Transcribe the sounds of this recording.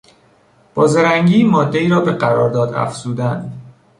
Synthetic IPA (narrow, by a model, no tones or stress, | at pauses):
b̥ɒːzeɾæŋɟiːmɒːd̪ːe̞iːɾɒːbe̞ɢæɾɒ̰ːɾd̪ɒːd̪æ̰fz̥uːd̪ænd̪